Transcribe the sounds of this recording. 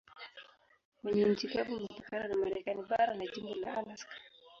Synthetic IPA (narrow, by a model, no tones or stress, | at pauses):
mwɛɲɛm̩t͡ʃikavumɛpakananamaɾɛkaniɓaɾanad͡ʒimbɔla̰alaskḁ